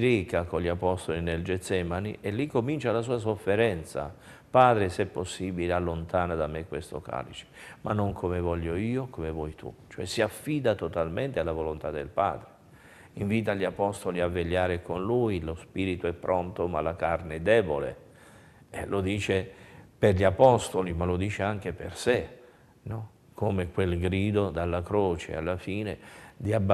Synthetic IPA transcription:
ɾikakonlʎiapɔst̪olineld͡ʒɛt̪sːɛmanḭʔelːikːomint͡ʃalas̬uːas̬ofːeɾɛnt̪sa̰ | paːd̪ɾesɛpːosːiːbilealːont̪aːnad̪amːekwest̪oka̰ːlḭt͡ʃe̥ma̰nːoŋkʰomevɔʎːoiːokomevwɔjt̪ʰṵt͡ʃoɛ̰siafːiːd̪at̪ot̪alment̪ealːavolont̪ad̪ːelpa̰ːd̪ɾe | iɱviːt̪aʎiapɔst̪oliavːeʎːaːɾekonlujlospiːɾit̪oɛpːɾʔont̪omalakarneɛd̪ːɛːbolḛ | lʔod̪iːt͡ʃeperʎiapɔst̪olimalod̪iːt͡ʃeaŋk̟eperse | nɔ | kʰomekwelɡɾiːd̪od̪alːakɾoːt͡ʃḛa̰lːafiːnḛd̪iabːa

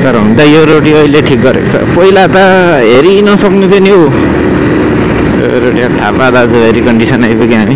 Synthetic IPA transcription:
t̪ʌɾʌɦũnd̪ajoɾoʈiʌileʈʰik̚ɡʌɾḛkt͡sʰʌ̰pʌilat̪a | ɦeɾinʌsʌknut̪ʰenio | ɾoʈiat̪ʰapad̪ad͡zoɦeɾikʌɳɖisʌnajbikiɦami

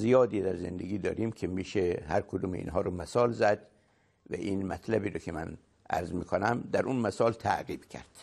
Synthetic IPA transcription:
zijɒːd̪iːd̪æɾzḛnd̪eɡʲiːd̪ɒ̰ːɾiːmkʰemiːʃehæɾkʰod̪uːmḛḭːnɦɒːɾomæsɒːlzæd̪ | væ̰ʔiːnmæt̪ʰlæbiːɾokʲʰemæn | ʔæ̰ɾzmiːkʰonæmd̪æɾʔunmæsɒːlt̪ʰæ̰ʔɣiːb̥cʰæ̰ɾd̪̥

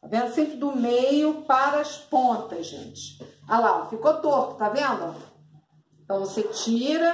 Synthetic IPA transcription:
t̪avẽnd̪ʊsẽmpɾɪd̪ʊmejʊpaɾɐɐspõnt̪ɐzʒḛ̃t͡ʃɪ̥alafikot̪okʊ̥t̪avẽnd̪ʊ | ẽt̪ɐ̃w̃voset͡ʃiɾɐ

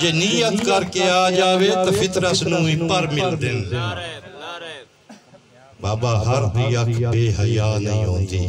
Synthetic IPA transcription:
d͡ʒeːnijət̪kəɾkeːaːd͡ʒaːʋeːt̪apʰɪt̪ɾəsnũːɪpːəɾmɪld̪ɪn | baːbaːɦəɾdiːəkʰbeːɦəjaːnəĩːɦoːnd̪ḭː

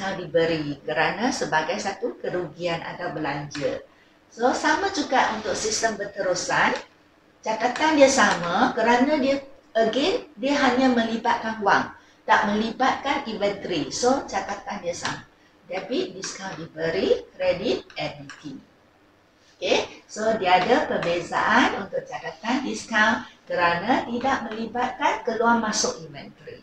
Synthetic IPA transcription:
səŋawdibəɾikəɾanãsəbaɡajsat̪ukəɾuɡianʔa̰t̪awbəlaɲd͡ʒər | sosamãt͡ʃukaʔunt̪ʊk̚sist̪əmbət̪əɾusan | t͡ʃat̪at̪andiəsamãkəɾanãdiəəɡɛndiəɦaɲãmə̃libat̪̚kanuwaŋ | t̪aʔmə̃libat̪̚kanivɛnt̪ɾisot͡ʃat̪at̪andiəsa̰ma | dabidiskãwdibəɾikɾedit̪̚ɛmnit̪i | okesodiəadəpərbeza̰ʔanunt̪ʊʔ̚t͡ʃat̪at̪andiskãwkəɾanãt̪idaʔ̚mə̃libat̪̚kankəluamasʊkivɛ̰nt̪ɾḭ

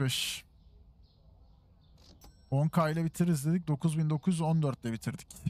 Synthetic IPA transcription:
ɛʃ | oŋkʰailʲˠabit̪ʰiɾizd̪ed̪ic̚d̪o̞kʰuzbind̪o̞kʰuzo̞nd̪øɾt̪̚lʲɛbit̪ʰiɾd̪ic

